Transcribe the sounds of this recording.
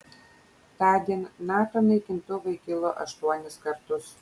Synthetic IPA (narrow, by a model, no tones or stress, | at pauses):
t̪ɑːd̪ʲiɛnʲːɑːt̪oːnɐɪkʲɪnt̪ʊʋɐɪkʲɪlˠoːʔɐʃt̪uɔnʲɪskɐɾt̪ʊs